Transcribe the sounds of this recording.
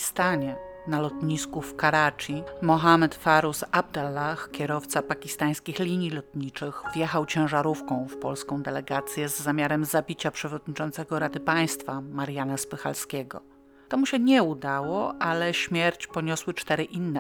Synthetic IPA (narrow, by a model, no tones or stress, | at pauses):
st̪aɲɛnalɔt̪ɲiskufkaɾat͡ʂimɔxamɛt̪faɾusab̚d̪alːaxkʲɛɾɔft̪sapakʲist̪aj̃skʲixlʲiɲjilɔt̪ɲit͡ʂɘxvjɛxawt͡ɕɛ̃w̃ʐaɾufkɔ̃w̃fpɔlskɔ̃w̃d̪ɛlɛɡat̪sʲjɛzːamʲjaɾɛmzabʲit͡ɕapʂɛvɔd̪ɲit͡ʂɔnt̪sɛɡɔɾad̪ɘpaj̃st̪famaɾjanaspɘxa̰lskʲɛɡɔ̰ | t̪ɔmuɕɛɲɛud̪awɔʔalɛɕmʲjɛɾt͡ɕpɔɲɔswɘt͡ʂt̪ɛɾɘʔinːɛ